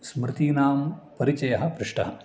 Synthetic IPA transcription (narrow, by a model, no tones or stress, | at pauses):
smɾɪt̪iːnaːmpɐɾit͡ʃɐjɐɦɐ̆pɾɪʂʈɐɦɐ